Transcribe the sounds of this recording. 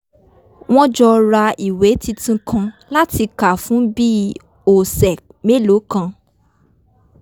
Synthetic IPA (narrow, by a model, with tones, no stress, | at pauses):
w̃ɔ̃˦d͡ʒɔ˧ɾa˧i˨we˨˦ti˧tũ˧kʰã˧la˦ti˧ka˨fũ˨˦bi˦ | o˨sɛ˨ | me˦˨lo˨˦kã˧